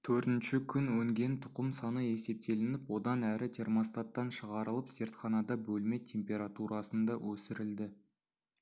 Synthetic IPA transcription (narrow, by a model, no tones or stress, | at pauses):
t̪ʰɵɾt̪ɪnʃɪkʲʰʏnwɵŋɡʲe̞nt̪ʰʊ̥qəmsɑnəe̞se̞p̚t̪e̞lɪnɪpwo̞d̪ɑnæɾɪt̪ʰe̞rmost̪at̪ːɑnʃəʁɑɾəlˠəpze̞ɾt̪χɑnɑd̪ɑbɵlme̞t̪ʲʰe̞mpʲe̞ɾat̪uɾɑsənd̪ɑwʔɵsɪɾɪld̪ɪ